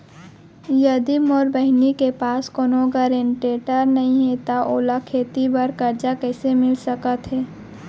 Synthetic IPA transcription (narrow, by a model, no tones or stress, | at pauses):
jɐd̪imɔːɾbəɦnikepaːskoːnoɡaɾeɳʈeːʈəɾnɐɦĩɦɛt̪aʔoːlakʰeːt̪ibɐɾkɐɾd͡ʒakɛːsemɪlsəkət̪ɦɛː